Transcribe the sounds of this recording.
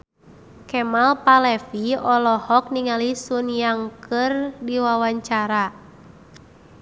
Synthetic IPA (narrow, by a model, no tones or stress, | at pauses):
kɛmalpalɛfiɔlɔhɔk̚niŋalisunjaŋkɨrdiwawaɲt͡ʃaɾa